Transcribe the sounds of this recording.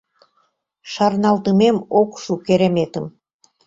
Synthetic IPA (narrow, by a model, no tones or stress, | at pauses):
ʃɑrnɑlt̪əmemokʃukeɾemet̪ə̆m